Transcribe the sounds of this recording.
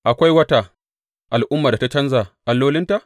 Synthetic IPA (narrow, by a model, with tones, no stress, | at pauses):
ʔa˨kʷa˦jwɐ˦ta˨ | ʔa˨lʔʊ˦mːa˨da˨ta˦t͡ʃɐ˦nza˨ʔa˨lːoː˦lɪ˦nta˨ʔ